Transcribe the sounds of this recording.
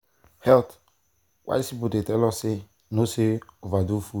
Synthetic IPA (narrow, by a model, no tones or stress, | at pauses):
hɛlt | wa̰isibudetɛlɔsɪ | noseovadufu